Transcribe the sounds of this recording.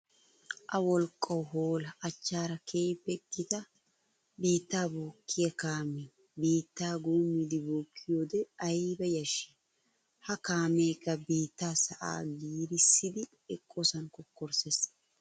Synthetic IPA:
ʔɐwɔlkʼːɐwɦoːlɐʔːt͡ʃːaːɾɐkʰeːpːɛkːɪt̪ɐ | biːt̪ːaːbuːkʰːɪjɐkaːme | biːt̪ːaːɡuːmːɪd̪ɪbuːkʰːɪjoːd̪ɛɐjbɐjɐʃːi̥ | hɐkaːmeːkːɐbiːt̪ːaːsɐʔa̰ːɡiːɾɪsːɪd̪ɪ | ɛkʼːɔsɐnkɔkːɔɾses

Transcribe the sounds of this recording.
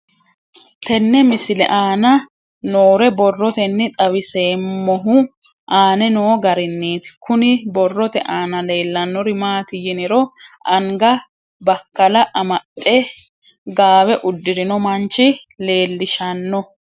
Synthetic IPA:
t̪ɛnːɛmɪsɪlɛ̰ʔaːnɐ | noːɾɛbɔrːɔt̪ɛnːɪt̪ʼɐwɪseːmːɔɦʊ | ʔaːnɛnoːɡɐɾɪnːiːt̪ɪ̥kʊnɪbɔrːɔt̪ɛ̰ʔaːnɐle̞ːlːɐnːɔɾɪmaːt̪ɪjɪnɪɾɔɐŋɡɐ | bɐkːɐlɐʔɐmɐt̪ʼːɛ | ɡaːwɛʔʊd̪ːɪɾɪnɔmɐnt͡ʃɪ | le̞ːlːɪʃɐnːɔ

